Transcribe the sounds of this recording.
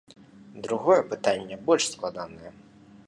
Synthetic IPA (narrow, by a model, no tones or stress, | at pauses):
d̪ɾuɣɔjɛpɨt̪anʲːɛbɔlʲʂsklˠad̪anɐjɛ